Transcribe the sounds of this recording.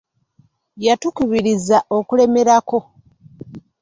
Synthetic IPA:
jatukuβiɾizaʔo̞kule̞me̞ɾako̞

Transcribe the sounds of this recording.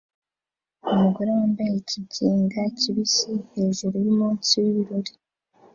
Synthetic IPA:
omuɡuɾaːmbaeciɟeːŋɡaciβisihe̞ʒuɾujimuːnsiwiβiɾoɾi

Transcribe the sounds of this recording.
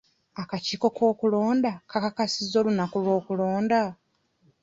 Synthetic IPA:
akaciːko̞kʰo̞ːkulo̞ːndakakakasizo̞lunakulwo̞ːkuloːnda

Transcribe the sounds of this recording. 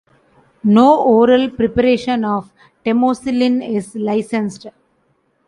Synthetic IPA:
noːʔoːɾəlpɾɪpəɾeːʃə̃nɔːʋ | ʈemoːsɪlĩnɪzlaɪsɛ̃nsʈ

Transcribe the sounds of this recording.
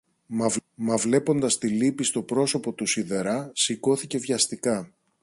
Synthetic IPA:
mɐvmɐvle̞po̞nd̪ɐst̪ilipist̪o̞pɾo̞so̞po̞t̪usiðe̞ɾɐsiko̞θice̞vʝɐst̪ikɐ

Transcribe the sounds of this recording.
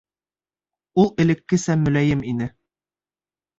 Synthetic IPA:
ulˠɘ̆lɘ̆kːɘsæmːɵ̆læjɘminɘ

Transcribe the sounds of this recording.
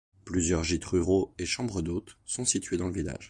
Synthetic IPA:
plyzjœʁʒit̪χyʁoeʃɑ̃bʁəd̪ot̪sɔ̃sit̪ɥed̪ɑ̃ləvila̰ʒ

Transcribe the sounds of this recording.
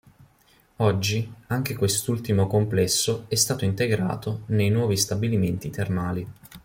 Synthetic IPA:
ɔd͡ʒːiaŋk̟ekwest̪ult̪imokomplɛsːoɛst̪aːt̪oint̪eɡɾa̰ːt̪onejnwɔːvist̪abiliment̪it̪ermaːli

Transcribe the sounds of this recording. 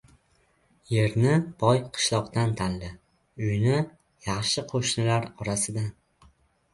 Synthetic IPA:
je̞ɾnɪb̥ɒjqʰɨ̥ʃlˠɒqt̪ant̪ʰanlɪ | ʊjnɪ | jɑχʃɪqʰoʃnɪlaɾɒɾasɪd̪a

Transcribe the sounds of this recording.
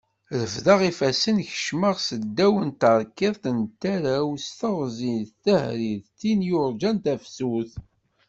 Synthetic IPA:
ɾəvðɑʁifæsənçə̥ʃməʁsəd̪ːæwənt̪əɾˤkːiðθənt̪ːæɾæwst̪əʁzinθθæhɾiðt̪ːinjoɾˤd͡ʒænt̪æfsuθ

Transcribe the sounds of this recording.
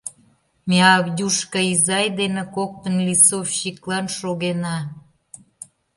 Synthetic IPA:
meɑβdʲuʃkəizɑjd̪enekok̚t̪ənlʲisofɕiklɑnʃoɣenɑ

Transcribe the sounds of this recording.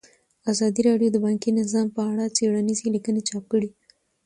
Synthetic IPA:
azɑd̪iɾɑɖjod̪əbɑŋkinɪzɑmpəaɽat͡seɽanizilikənet͡ʃɑp̚kəɽi

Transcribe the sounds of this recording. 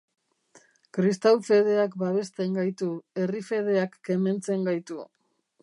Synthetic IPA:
kɾist̪awfe̞ð̞e̞akbaβe̞st̪e̞ŋɡajt̪ue̞rife̞ð̞e̞akːe̞me̞nt͡se̞ŋɡajt̪u

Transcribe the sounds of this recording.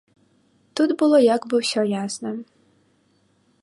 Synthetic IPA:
t̪ud̪bʊlˠɔjakbɪwsʲɔjaznɪ

